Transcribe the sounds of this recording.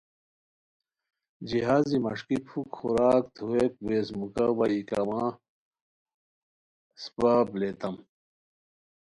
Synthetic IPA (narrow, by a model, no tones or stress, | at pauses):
d͡ʑiɦaːzimɐʂkipʰukxuɾaːkt̪ʰuek̚weːzmukɐbɐikɐmaː | spaːbleːt̪ɐm